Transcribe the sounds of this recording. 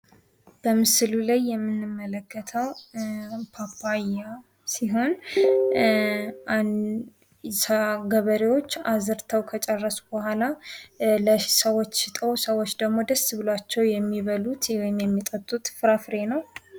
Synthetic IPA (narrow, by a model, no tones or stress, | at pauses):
b̥əmɨsɨlulajːɛmːɨnːɨmːələkʰːət̪ʰəw | pʰapaja | siɦo̞n | an | saɡəβəɾewo̞t͡ʃːazɨɾt̪ʰəwkʰət͡ʃʼərːəsu̥bəhʷala | ləsəwot͡ʃːʃɪt̪ʼəwsəwot͡ʃːd̪əɡmo̞d̪əsːɨβɨlat͡ʃːɛwjɛmːiβəlut̪wɔjɪmjɛmːit̪ʼət̪ʼːut̪fɨɾafɨɾe̞nəw